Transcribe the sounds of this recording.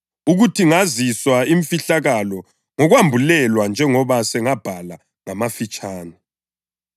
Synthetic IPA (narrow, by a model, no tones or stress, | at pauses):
uɣutʰiŋaziswaiɱfiɬaɣalɔ | ŋɔɣwambʱulɛlwand͡ʒʱɛŋɔβasɛŋab̥ʱala | ŋamafit͡ʃʼaːna